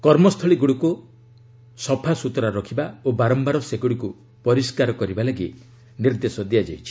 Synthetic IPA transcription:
kɔɾmɔst̪ʰɔɭiɡuɽiku | sɔpʰasut̪ɾaɾɔkʰibaobaɾɔmbaɾɔseɡuɽiku | pɔɾiskaɾɔkɔɾibalaɡi | niɾd̪esɔd̪ijad͡ʒa̰jt͡ʃʰi̥

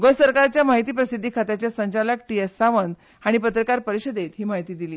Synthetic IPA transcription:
ɡojsəɾkaɾt͡ɕjamaɦit̪̬iːpɾəsid̪ʱːikʰat̪jat͡ɕjasəɲt͡ɕaləkʈiessːaʋən | aɽ̃ipət̪ɾəkaɾpəɾiɕəd̪ʱet̪ɦiːmaɦit̪iːd̪iliː

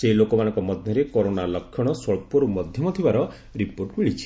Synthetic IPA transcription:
selokɔmanɔŋkɔmɔd̪ʱjɔɾekoɾonalɔkʰːjɔɽ̃ɔsɔɭpɔɾumɔd̪ʱjɔmɔt̪ʰibaɾɔ | ɾipoɾʈmeɭit͡ʃʰi̥

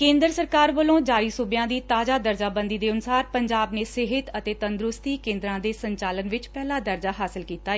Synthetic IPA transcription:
kẽːnd̪ɾəsəɾkaːɾʋəlõːd͡ʒaːɾiːsʊbɪjãːd̪iːt̪aːd͡ʒaːd̪əɾd͡ʒaːbə̃nd̪iːd̪eːʊnsaːɾpəɲd͡ʒaːbneːsɪɦɪt̪ət̪eːt̪ənd̪ɾʊst̪iːkẽːnd̪ɾãːd̪eːsəɲt͡ʃaːlənʋɪt͡ʃpɛːlaːd̪əɾd͡ʒaːɦaːsɪlkiːt̪aː

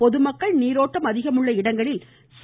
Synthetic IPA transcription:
pɔðɯmɐkːɐɭniːɾoːʈːɐmɐðɪɣɐmɯɭːɐɪɽɐŋɡɐɭɪl | s

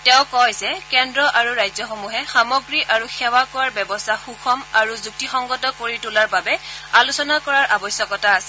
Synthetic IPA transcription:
tɛʊ̃kɔjzɛkɛndɹɔʔaɹuɹajzɔxomuɦɛxamɔɡɹiʔaɹuxɛwakɔwaɹbɛbɔstʰaxuxʰɔmaɹuzuk̚tixɔŋɡɔtɔkoɹitulaɹbabɛalusɔnakɔɹaɹʔabɔsjɔkɔtaːsɛ̥

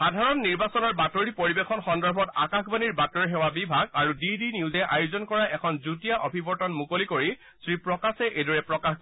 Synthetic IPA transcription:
xadʱaɹɔnːiɹbasɔnɔɹbatoɹipoɹibexʰɔnxɔndaɹbʱɔta̰kaxbaniɹbatɔɹɦɛwabibʱaɡaɹudidiniuzɛʔajuzɔnkɔɹaʔɛkʰɔnzutijaʔobʱibɔɹtɔnmukolikoɹi | sɹipɹɔkasɛʔejdɔɹɛpɹɔkax

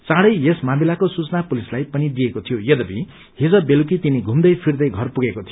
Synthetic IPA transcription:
t͡sãɽʌjjesmamilakosut͡snapulislajpʌnid̪iekot̪ʰijojʌd̪ʌbi | ɦid͡zʌbeluk̬it̪iniɡʱumd̪ʌjpʰird̪ʌjɡʱʌrpuɡekot̪ʰi

